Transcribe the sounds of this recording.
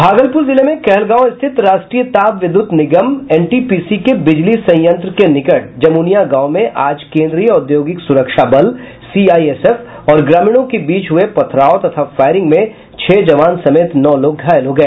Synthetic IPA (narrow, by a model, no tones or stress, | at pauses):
bʱaːɡəlpʊɾzɪlemẽkɛɦlɡãːwɪst̪ʰɪt̪ɾaːʃʈɾijət̪aːbʋɪd̪ʊt̪nɪɡəmɛːnʈipiːsikebɪd͡ʒlisɐ̃j̃jə̃nt̪ɾəkenɪkəʈ̚d͡ʒɐmuːnijaɡaːmẽʔaːd͡ʒkẽːnd̪ɾijɔːd̪joːɡɪksʊɾəkʃabɐl | siːaːieːsɛf | ɔːɾɡɾaːmiːɽ̃õkebiːt͡ʃɦʊepɐt̪ʰɾaːot̪ɐt̪ʰafaːɪɾɪ̃ŋɡmẽ | t͡ʃʰeːd͡ʒɐʋaːnsɐmeːt̪nɔːloːɡ̚ɡʱaːjəlɦoɡɐeː